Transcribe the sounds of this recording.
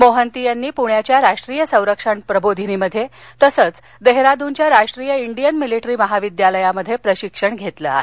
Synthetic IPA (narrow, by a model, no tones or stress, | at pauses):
moɦənt̪ijanːiːpuɳjat͡ɕjaɾaʂʈɾiːjəsə̃w̃ɾəkʂaɳpɾəbod̪ʱiniməd̪ʱːjet̪əsət͡s | d̪eɦɾad̪uɲt͡ɕjaɾaʂʈɾiːjəiɳɖijənmiliʈɾiːməɦaʋid̪jaləjaməd̪ʱːjepɾəɕikʂəɳɡʱet̪lə̰a̰ɦe